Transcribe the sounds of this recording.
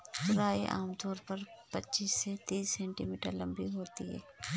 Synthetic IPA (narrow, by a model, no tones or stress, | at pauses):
tʊɾaːiʔa̰ːmt̪ɔːɾpɐɾpɐtːt͡ʃiːsːet̪iːsːɛ̃ːɳʈimiːʈə̰ɾlɐ̃mbiɦoːt̪iɦɛ̰ː